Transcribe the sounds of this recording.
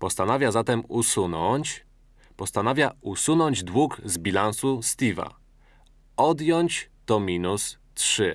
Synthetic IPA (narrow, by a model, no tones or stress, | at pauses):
pɔst̪anavʲjazat̪ɛmusunɔt͡ɕ | pɔst̪anavʲjausunɔɲd͡ʑd̪wuɡzbʲilansust̪ʲiva̰ | ɔd̪jɔɲt͡ɕt̪ɔmʲinus | tʂɘ